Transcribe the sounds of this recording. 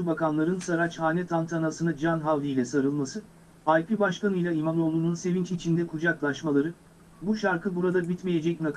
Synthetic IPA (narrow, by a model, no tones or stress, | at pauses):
ubakanlˠaɾɯnsaɾat͡ʃhaːnʲɛt̪ʰant̪ʰanasɯnad͡ʒanɦavlʲijlʲɛsaɾɯlˠmasɯ | hajpʰibaʃkanɯjlˠaimano̞lˠununse̞vint͡ʃit͡ʃʰind̪ɛkʰud͡ʒaklˠaʃmalˠaɾɯ | buʃaɾkʰɯbuɾad̪abit̪meje̞d͡ʒɛc̚nakʰ